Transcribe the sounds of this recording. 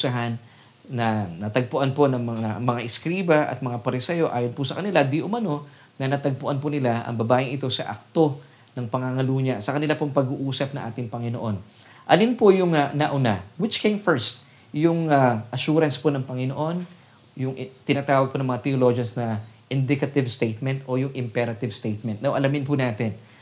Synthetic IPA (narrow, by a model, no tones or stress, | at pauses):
saɦanː | ɐnɐt̪ɐɡ̚pʊʔanpo̞nɐŋmɐŋamɐŋaʔɪskɾiːbɐʔɐ̰t̪̚mɐŋapɐɾɪsɛjo̞ʔaːjonpʊsɐkɐnɪlad̪iʔʊmɐno̞ | nɐnɐt̪ɐɡ̚pʊʔanpʊnɪlaʔɐ̰ŋbɐbaːjɪŋɪt̪o̞sɐʔa̰k̚t̪o̞ | nɐŋpɐŋaŋɐluːɲɐsɐkɐnɪlapoŋpɐɡuːʔuːsɐp̚nɐŋʔa̰ːt̪ɪŋpɐŋɪno̞ʔo̞n | ʔɐlinpojʊŋanɐʔʊnawɪt͡ʃkejmfɛɹst̪̚ | jʊŋaʔɐʃuːɾɐnsponɐŋpɐŋɪno̞ʔo̞n | jʊŋt̪ɪnat̪aːwɐɡ̚ponɐŋmɐŋat̪ɛolod͡ʒɐnsnɐʔɪnd̪ɪkɐt̪ɪvst̪ejt̪̚mɛnt̪o̞jʊŋʔɪmpɛɾɐt̪ɪvst̪ejt̪̚mɛnt̪̚nɐwʔɐlɐmɪnpʊnaːt̪ɪn